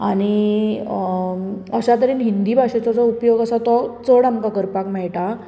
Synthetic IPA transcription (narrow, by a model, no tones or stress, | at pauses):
aɽ̃i | əɕat̪̬əɾiːnɦind̪iːbʱaɕet͡sat͡sɔupjoɡəsat̪ɔt͡səɽamkakəɾpakmɛɭʈa